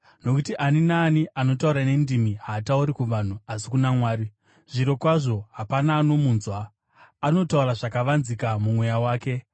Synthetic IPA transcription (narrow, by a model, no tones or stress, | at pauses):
no̞kutiʔaninaːniʔano̞tauɾane̞ndimiɦatauɾikuʋan̤uasikunamwaːɾi | ʐ̥iɾo̞kwaʐo̞ɦapanaːno̞muːnzwaː | no̞tauraʐakaʋanzikamumwe̞jawaːke̞